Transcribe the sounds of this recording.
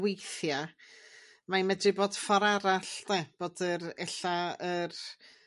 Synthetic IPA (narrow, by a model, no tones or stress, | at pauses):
wejθja | maimɛdrɨboːd̥faɾaɾaɬnɛb̥oːdəɾɛɬaər